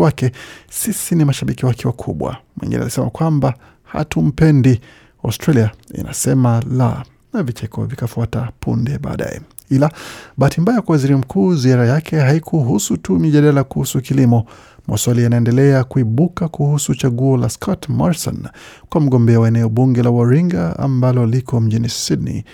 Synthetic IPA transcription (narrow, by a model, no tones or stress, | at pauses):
wakɛsisinimaʃaɓikiwakiwakʰṵɓwa̰mwḭŋɡḭnɛ̰alisɛmakwamba | ha̰tum̩pɛndi | a̰ustɾaliaḭnʔa̰sɛmala̰ | navit͡ʃɛkɔ̰vikafuatapʰṵndɛɓa̰ːɗa̰jɛ̰ | ilaɓaatimbajakwawaziɾim̩kʰuːziaɾajakʰɛɦaikʰuɦusutumiʄaɗalakuhusukilimɔ | ma̰swaliajnaɛndɛlɛakuiɓukakuhusut͡ʃaɠuɔlaskʰɔtmɔɾsɔ̰nkwam̩ɠɔmbɛawaɛnɛɔɓuŋɡɛlawɔɾiŋɡa̰a̰mbalɔlikɔm̩ʄinisidnḭ